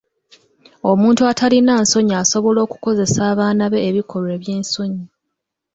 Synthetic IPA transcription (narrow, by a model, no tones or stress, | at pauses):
o̞muːntuatʰalinaːnso̞ɲiaso̞βo̞lo̞ːku̥ko̞ze̞saːβaːnaβe̞ːβikʰo̞lwe̞ːβjeːnso̞ɲi